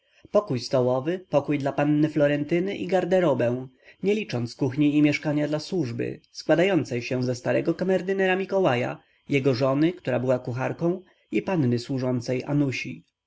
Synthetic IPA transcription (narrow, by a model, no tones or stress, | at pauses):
pɔkujst̪ɔwɔvɘpɔkujd̪lapanːɘflɔɾɛnt̪ɘnɘʔiɡaɾd̪ɛɾɔbɛ̃w̃ | ɲɛlʲit͡ʂɔnt̪skuxɲiːmʲjɛʂkaɲad̪laswuʐbɘ̰skwad̪ajɔnt̪sɛjɕɛw̃zɛst̪aɾɛ̰ɡɔkamɛɾd̪ɘnɛɾamʲikɔwaja̰ | jɛɡɔʐɔnɘkt̪uɾabɘwakuxaɾkɔ̃w̃ | ipanːɘswuʐɔnt̪sɛja̰nuɕi